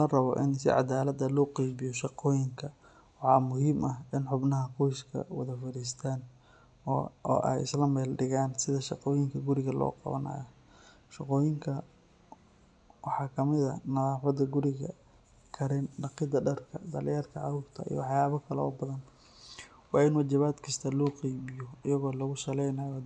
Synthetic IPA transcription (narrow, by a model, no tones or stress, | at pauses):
lɐrɐβɔʔɪnsɪ̰ʕɑ̰d̪aːlɐd̪ɐlɔːqijβɪjɔʃɑqɔːjɪŋkʰɐ | wɑħɑːmʊɦiːmʔɐɦɪnħʊbnɐɦɐqɔjskʰɐ̰wɐ̰ðɐfɐɾiːs̬t̪ʰaːn | ɔɔ̰ːʔɛ̰jɪ̰slɐmɛːlɖɪɣaːnsɪðɐʃɑqɔːjɪŋkʰɐɡʊɾɪɣɐlɔ̰ːqɑ̰βɐ̰nɐ̰ːjɐ | ʃɑqɔːjɪŋkʰɐ | wɑħɑːkʰɐmɪðɐ̰nɐðaːfɐd̪ɐɡʊɾɪɣɐ̰ | kʰɐɾɛnɖɑqɪd̪ɐɖɐrkʰɐ̰d̪ɐlɪjaːrkʰɐʕɑhuːrt̪ʰɐ̰ḭj̰wɑħjaːβɐkʰɐlɛɔ̰ːbɐðɐn | wɑːɪnwɐt͡ʃɪβaːd̪kʰɐst̪ʰɐlɔːqɛjmɪjɔɪjɐɣɔːlɔɣʊsɐlɛjnɐjɔ